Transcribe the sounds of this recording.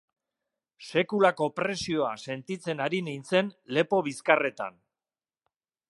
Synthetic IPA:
se̞kulako̞pɾe̞sio̞ase̞nt̪it͡se̞naɾinint͡se̞nle̞po̞βiskare̞t̪a̰n

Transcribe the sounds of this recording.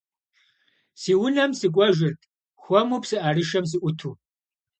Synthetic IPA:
siːwʊnɐmsɨkʷʼɔʒɪrtʼ | xʷɔmupsɨʔarɨʃɐms̬ɨʔʷʊtʰu

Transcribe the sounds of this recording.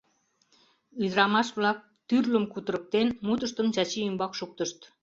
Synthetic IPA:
yd̪ɾɑmɑʃβlɑk̚t̪yrləmkut̪əɾə̆k̚t̪enmut̪əʃt̪əmt͡ɕɑt͡ɕiːmbɑkʃuk̚t̪əʃt̪

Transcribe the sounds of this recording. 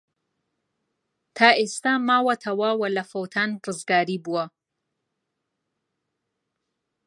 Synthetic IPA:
t̪ʰaːʔest̪amaːwɐt̪ʰɐwɐwɐlɐfowt̪ʰaːnrɨzɡaːɾiːbuwɐ

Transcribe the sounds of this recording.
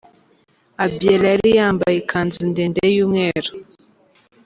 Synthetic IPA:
abjelaɾijaːmbajekʰanzindendejumŋeɾa

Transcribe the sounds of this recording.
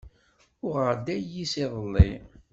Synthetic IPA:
ʊʁəɾd̪æjːisiðˤəlːḭ

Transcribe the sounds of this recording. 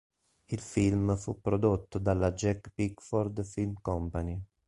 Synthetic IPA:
ilfilmfupːɾod̪ot̪ːod̪alːad͡ʒɛkpikfɔɾd̪filmkɔmpani

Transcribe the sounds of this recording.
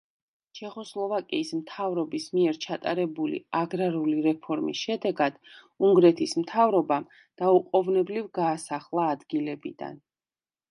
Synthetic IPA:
t͡ʃʰɛχɔslˠɔvakʼiːsmt̪ʰavɾɔbismiɛɾt͡ʃʰat̪ʼaɾɛbulḭaɡɾaɾuliɾɛpʰɔɾmḭsʃɛd̪ɛɡad̪̥ | uŋɡɾɛt̪ʰismt̪ʰavɾɔba | d̪̥auqʼɔvnɛblivɡaːsaχlˠaːd̪ɡilɛbḭd̪̥a̰n

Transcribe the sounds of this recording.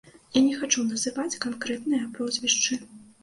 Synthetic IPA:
janʲɛxat͡ʂunɐzɨvat͡sʲkankɾɛt̪nɨjɐpɾɔzʲvʲiʂt͡ʂɨ

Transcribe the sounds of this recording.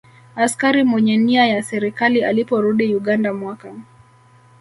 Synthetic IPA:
askaɾimwɛɲɛniajasɛɾikalialipɔɾuɗijuɠandamwaka

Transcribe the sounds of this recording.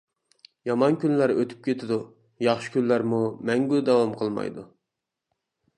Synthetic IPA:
jɑmɑnkʲynlæɾøt̪ʰy̥p̚kʲet̪ʰɪd̪u | jɑχʃɨ̥kʲynlæɾmumɛŋɡʲyd̪ɛwɑmqʰəlˠmɑ̰jd̪u

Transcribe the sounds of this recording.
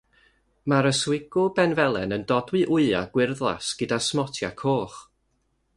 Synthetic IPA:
maɾəswɪɡ̥ʊbɛnvɛlˠɛnəndɔdwɨʔʊɨa̰ɡ̥wɪrðlˠa̰sɡ̥ədasmɔtʰja̰kʰoːχ

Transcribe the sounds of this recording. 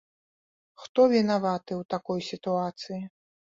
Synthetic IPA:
xt̪ɔvʲinavat̪ɨwt̪akɔjsʲit̪uat̪sɨji

